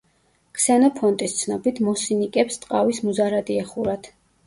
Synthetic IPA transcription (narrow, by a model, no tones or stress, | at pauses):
kʰsɛnɔpʰɔnt̪ʼist̪sʰnɔbit̪ʰmɔsinikʼɛpst̪ʼqʼavismuzaɾad̪iɛχuɾat̪ʰ